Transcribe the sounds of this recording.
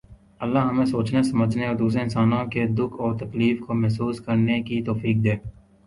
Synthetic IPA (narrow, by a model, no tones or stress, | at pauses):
əlːaɦɐmẽsoːt͡ʃnesɐməd͡ʒʱneoɾd̪uːs̬eɪnsaːnõked̪ʊkʰɔːɾt̪ɐkliːfkomɛɦsuːskəɾnekit̪oːfiːk̚d̪eː